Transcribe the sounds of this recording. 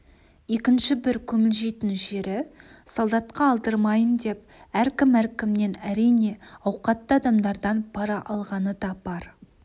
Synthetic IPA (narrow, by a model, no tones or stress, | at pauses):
e̞kʲɪnʃɪbɪɾkʲʰɵmɪlʒe̞t̪ɪnʒe̞ɾɪsolˠd̪ɑt̪̚qɑːlˠd̪əɾmɑjənd̪e̞p̚ | æɾkʲɪmæɾkʲɪmne̞næɾijne̞ɑwqɑt̪ːəɑd̪ɑmd̪ɑɾd̪ɑnbʰɑɾɑʔɑlˠʁɑnəd̪ɑbɑɾ